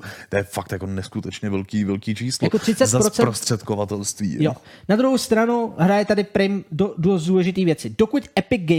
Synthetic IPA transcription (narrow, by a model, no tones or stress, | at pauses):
t̪ojɛfakt̪jakonɛskut̪ɛt͡ʃɲɛvɛlkiːvɛlkiːt͡ʃiːslaoakot̪r̥ɪt͡sɛzaɾɾot͡sɛɾost̪r̝̥ɛt̪kovat̪ɛlst̪vḭːjonad̪ɾuɦowst̪ɾanuɦɾajɛt̪adɪpɾɪmdododuːlɛʒɪt̪iːvjɛt͡sɪdokucʔɛpɪɡɡɛ